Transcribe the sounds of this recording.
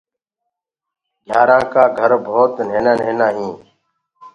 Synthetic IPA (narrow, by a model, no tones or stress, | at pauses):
ɡʱjaːɾãːkaːɡʱəɾbʱoːt̪neːnaːn̤eːnaːɦĩː